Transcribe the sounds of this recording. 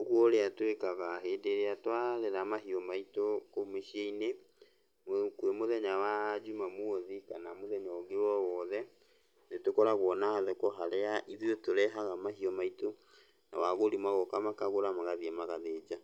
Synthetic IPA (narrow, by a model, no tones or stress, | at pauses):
oɣwɔɾeatwekaɣaɦeːdeɾeatwaɾeɾamaɦiɔmaitokomeʃieine | mokwemoðɛɲawad͡ʑumamwɔðikanamoðɛɲaoɡewɔwɔðɛ | netokɔɾaɣwɔnaaðɛkɔɦaɾɛaʔiðiotoɾɛɦaɣamaɦiɔmaito | na̰waɣoɾimwaɣɔkamakaɣoɾamaɣaðiɛmaɣaðeːd͡ʑa